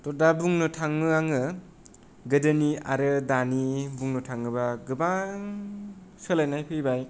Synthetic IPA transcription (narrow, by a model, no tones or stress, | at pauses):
tɔdabuŋnɯtʰaŋmɯaŋɯ | ɡɯdɯnia̰ɾɯdanibuŋnɯtʰaŋːɯbaɡɯbaŋ | sɯlajnajpʰɯjbaj